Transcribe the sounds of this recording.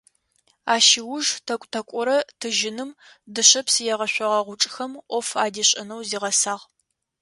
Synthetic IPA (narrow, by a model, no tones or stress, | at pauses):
aːʃiwʊʒtʰɐkʷʼtʰɐkʷʼɔɾɐtʰɨʒɪnɨm | dɨɕɐpsɨjɛʁɐɕʷɔʁɐʁʷʊʈ͡ʂʼxɐmʔʷɔfaːdiɕʼɐnɐwziːʁɐsaːʁ